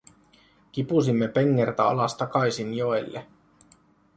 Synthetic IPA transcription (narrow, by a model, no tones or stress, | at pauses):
k̟ipusimːepeŋːert̪æɑ̰lɑst̪ɑkɑjsinjoelːḛ